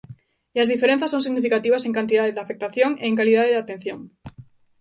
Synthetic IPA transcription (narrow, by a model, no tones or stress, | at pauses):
iazðifeɾẽn̟θɐsõŋsiɣnifikat̪iβɐseŋkant̪iðaðeðafek̚t̪aθjoŋḛːŋkaliðaðeðat̪en̟θjoŋ